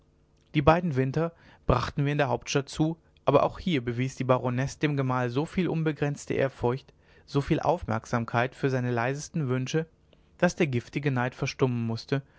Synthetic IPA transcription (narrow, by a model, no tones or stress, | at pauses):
d̥iːbaɪdn̩vɪntɐ | b̥ʁaχtn̩viːɐɪndeːɐɦaʊp̚tʃtat̚t͡suː | ʔaːbɐ̰ʔa̰ʊxhiːɐbəviːsd̥iːbaʁonɛsd̥eːmɡəmaːlzoːfiːlʔʊnbəɡʁɛnt͡stə̰ʔḛːɐfʊɐçt | z̥oːfiːlʔa̰ʊfmɛ̰ɐkz̥aːmkʰaɪtfyːɐzaɪnəlaɪzəstn̩vʏnʃə | d̥asd̥eːɐɡɪftɪɡənaɪtfɛɐʃtʊmənmʊstə